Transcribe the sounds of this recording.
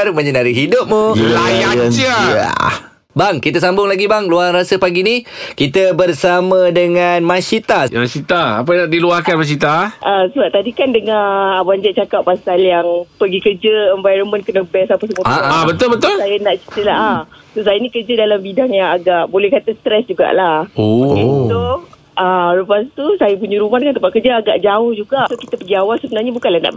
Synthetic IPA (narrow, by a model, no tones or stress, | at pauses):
rməɲənaɾiɦidʊp̚muajaəaa̰ | baŋkit̪əsambʊŋlaɡibaŋluarasəpaɡinikit̪əbərsamə̃dəŋanmasit̪amasit̪aa̰p̬ajnaʔdiluahkanmas̬it̪aʔəsəbaʔ̚t̪adikandəŋãbaɲd͡ʒaʔ̚t͡ʃakapːasaljaŋpəɡikəd͡ʒəɛɱvajɾənmə̃nkənabɛsapəs̬əmoabət̪ʊlbət̪ʊlsajanaʔt͡ʃi̥t̪əlaɦasos̬ajənĩkərd͡ʒədalambidaŋjaŋaɡaʔbolɛhkat̪ast̪ɾɛsd͡ʒuɡa̰ʔlahomit̪o | ʔəɾupast̪usajapuɲaɾumahdəŋant̪əmpaʔkərd͡ʒaaɡa̰ʔd͡ʒaʊhd͡ʒuɡaʔsoki̥t̪apəɡiawalsəbənarɲabukanlahna̰ʔ